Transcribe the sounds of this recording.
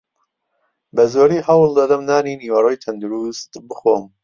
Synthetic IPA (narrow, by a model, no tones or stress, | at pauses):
bɐzoːɾiːhɐwlˠd̪ɐd̪ɐmnaːniːniːwɐroːjt̪ʰɐnd̪uɾust̪bɨxo̰ːm